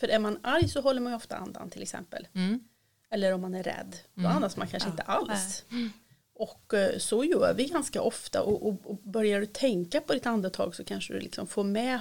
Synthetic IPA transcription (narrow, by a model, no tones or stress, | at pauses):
fœɾʔæɾmanaɾjsɔɦɔlːəɾmanjɔft̪a̰a̰nd̪a̰nt̪ʰɪlɛksɛ̰mpə̰l | ɛlːəɾɔmːanæɾːɛ̰d̪ːɔanːast̪ma̰nkʰanʂəəɪnt̪əʔals | ɔkːsɔjœːɾvɪɡanska̰ʔɔft̪a̰ʔɔʔɔɔbœɾjaɖɵt̪ʰɛŋkapʰɔd̪ɪt̪and̪ət̪ʰɑ̰ːɡsɔkʰanʂəd̪ɵ̰lɪ̰ksɔmfoːɾmɛ